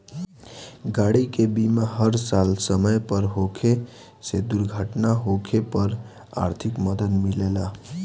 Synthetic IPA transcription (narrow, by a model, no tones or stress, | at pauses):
ɡaɽikebimaɦəɾsalsəməjpəɾɦokʰe | sed̪uɾɡʱəʈnaɦokʰepəɾ | a̰ɾt̪ʰikməd̪əd̪milela